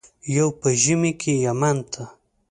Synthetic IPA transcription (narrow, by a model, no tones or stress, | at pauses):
jawpəʒəmikʰejamant̪ʰa